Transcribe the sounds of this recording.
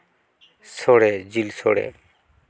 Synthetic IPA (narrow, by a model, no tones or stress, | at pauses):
soɽed͡ʑilsoɽḛ